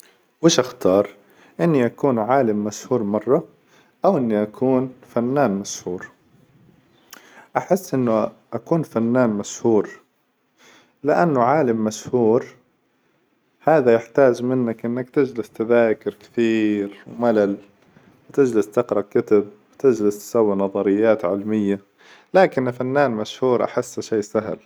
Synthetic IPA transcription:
wɪːʃʔaxt̪ɑːɾˤ | ʔɪnːiʔakuːnʕaːlɪmːashuːɾmɑrˤːɑ | ʔawʔɪnːiʔakʰuːnfanːaːnmashuːɾ | ʔaħɪsːʔɪnːʊʔakuːnfanːaːnmashuːɾ | lɪʔanːʊʕaːlɪmːashuːɾ | haːðajɪħt̪aːd͡ʒmɪnːakʔɪnːakt̪ɪd͡ʒlɪst̪aðaːkɪɾkɪ̥θiːɾwmalal | wɪt̪ɪd͡ʒlɪst̪ɪqɾˤɑkɪt̪abwɪt̪ɪd͡ʒlɪst̪sawːinɑðˤɑɾɪjːaːt̪ʕɪlmɪjːa | laːkɪnfanːaːnmaʃhuːɾʔa̰ħɪsːaʃeːsaɦl

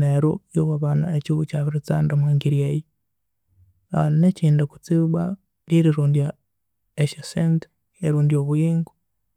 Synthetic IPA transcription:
neɾo̰joβaβaːnaeciβucaːβiɾit͡saːndamaːŋɡiɾjeji | aneciːndaku̥t͡siβa | liɾiɾuːndija | eʃesent | eɾuːndioβujiːŋɡu̥

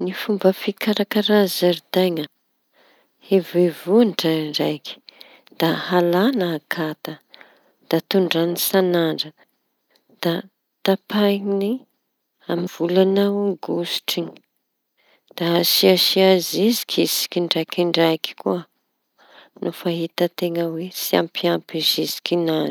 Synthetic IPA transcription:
nifumbəfikʰaɾakaɾazaɾid̪ajŋə | hevevuɳʈ͡ʂaɳɖ͡ʐajkʲi̥ | d̪̥ahalanaːkʰat̪ə | d̪̥at̪uɳɖ͡ʐanisanaɳɖ͡ʐə | d̪̥a | t̪apajni | amiv̥ulanauɡusi̥ʈ͡ʂiɲi | d̪̥asiaʃiazizi̥kʲʰisi̥kʲiɳɖ͡ʐajkiɳɖ͡ʐajki̥kuə | nʔofaɦit̪ət̪eŋəwet͡sia̰mpiampizizi̥kʲinaz

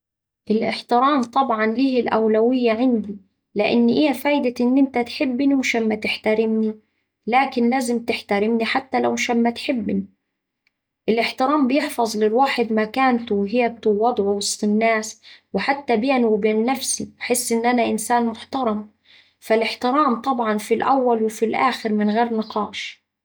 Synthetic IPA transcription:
ʔɪlʔɪ̰ħt̪ɪɾaːmt̪ˤɑbʕɑnliːhɪlʔawlawɪjːaʕɪnd̪i | lɪʔɪ̰nːʔɪjːafaːjd̪aʔɪnːʔɪnt̪at̪ħɪbːniwʃamːat̪ɪħt̪aɾɪmni | laːkɪnlaːzɪmt̪ɪħt̪aɾɪmniħat̪ːalawʃamːat̪ħɪbːni | ʔɪlʔɪħt̪ɪɾaːmbɪjɪħfɑzˤlɪlwaːħɪd̪makaːnt̪wɦɪjab̚t̪uwɑd̪ˤʕuwɑsˤt̪ˤɨnːaːswɪħat̪ːabeːnwbeːnːafsḭbħɪsːʔɪnːʔanaʔɪnsaːnmʊħt̪ɑɾˤɑm | falɪħt̪ɪɾaːmt̪ˤɑbʕɑnfilʔawːalwɪfilʔaːxɪɾmɪnɣeːɾnɪqɑːʃ

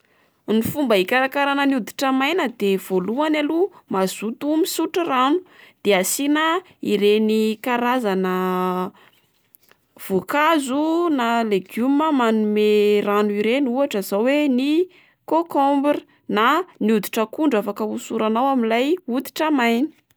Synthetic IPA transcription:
nifumbəikaɾakaɾanəniud̪i̥ʈ͡ʂəmajnəd̪ev̥oluanalumaz̥ut̪umisuʈ͡ʂəranud̪̥easinə | iɾenikaɾazanə | v̥ukazunaleɡuməmanumeranuiɾenuaʈ͡ʂəzawweni | kokombri | naniud̪i̥ʈ͡ʂəkuɳɖ͡ʐafakəusuɾanawaminlajud̪i̥ʈ͡ʂəmajnə̥

